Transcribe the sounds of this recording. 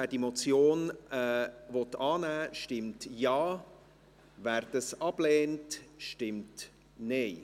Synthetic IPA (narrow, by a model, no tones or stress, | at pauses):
æːdimɔt͡sjoːnɛvɔtɑːnæːʃtɪmtjɑː | væːɾdəsɑb̥lɛːntʃtɪmt | neɪ